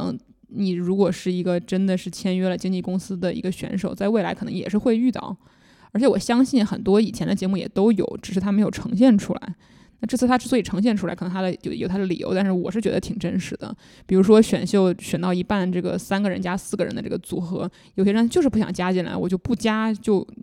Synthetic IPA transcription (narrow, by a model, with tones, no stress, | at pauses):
ni˨˩ɻu˧˥kwɔ˨˩ʂɻ̩˥˩i˧˥ɡə˧ʈ͡ʂə˥nd̪ə˨ʂɻ̩˥˩t͡ɕʰjɛ˥nɥɛ˥lə˨t͡ɕi˥ŋt͡ɕi˥˩kʊ˥ŋsɹ̩˥d̪ə˨ḭ˧˥ɡə˧ɕɥɛ̰˧˥nʂo˨˩ʊt͡sa˥˧ɪwe˥˩ɪla˧˥ɪɤ˨˩nɤ˧˥ŋjɛ˨˩ʂɻ̩˥˧xwe˥˧ɪy˥˧t̪ɑ̰˥˩ʊ | ə˞˧˥t͡ɕʰjɛ˧˥wɔ˨˩ɕjɑ˥ŋɕi˥˩nxə˨˩nt̪wɔ˥i˨˩t͡ɕʰjɛ˧˥nd̪ə˧˩t͡ɕjɛ˧˥mu˥˩jɛ̰˨˩t̪o˥ʊjo̰˨˩˦ʊʈ͡ʂɻ̩˨˩ʂɻ̩ʰ˥˩a˥mə˧˥jo˨˩ʈ͡ʂʰɤ˧˥ŋɕ̬jɛ˥˩nʈ͡ʂʰṵ˥la̰˧˥ɪ | na˥˧ʈ͡ʂɤ˥˩t͡s̩̪ʰ˥˩a˥ʈ͡ʂɻ̩˥˩swɔ˧˥i˨˩ʈ͡ʂʰɤ˧˥ŋɕjɛ˥˩nʈ͡ʂʰu˥a̰˧˥ɪkʰn˧˥ŋt̪ʰa˥d̪ə˨jo̰˧˩jo˨˩ʊt̪ʰa˥ə˨˧lḭ˨˩jo̰˧˥ʊt̪a˥˧nʂɻ̩˥˩wɔ̰˨˩ʂɻ̩˥˩t͡ɕɥɛ˧˥d̪ə˧t̪ʰi˨˩ŋʈ͡ʂə˥nʂɻ̩˨˧˩d̪ə̰˧˦ | pi˨˩ɻu˧˥ʂwɔ˥ɕɥɛ̰˨˩nɕjo˥˩ʊɕɥɛ˨˩nt̪ɑ˥˩ʊi˧˥pa˥˩nʈ͡ʂɤ˥˩ɡə̰˩sa˥nɡə˨˩ɻə˧˥nt͡ɕja˥sɹ̩˥˩ɡə˩ɻə̰˧˥nd̪ə˧ʈ͡ʂɤ̰˥˩ɡə˩t͡su˨˩xɤ˧˥ | jo˨˩ʊɕɛ˥ɻn˥t͡ɕo˥˧ʊʂɻ̩˥˩pu˥˩ɕjɑ̰˨˩ŋt͡ɕja˥t͡ɕi˥˩nla̰˧˥ɪwɔ˨˩t͡ɕjo˥˧ʊpu˥˩t͡ɕja˥t͡ɕjo˥˧ʊ